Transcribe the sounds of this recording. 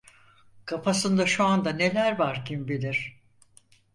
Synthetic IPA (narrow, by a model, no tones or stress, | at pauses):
kʰapʰasɯnd̪aʃuand̪ane̞lʲæɾvaɾcʰimbid̪iɾ̥